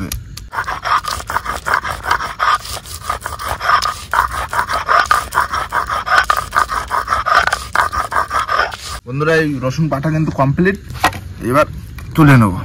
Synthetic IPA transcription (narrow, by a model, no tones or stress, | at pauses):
ḛ | bond̪ʱoɾajɾɔʃoŋpaʈʰakint̪ukɔmpliʈḛβaɾt̪ulenobo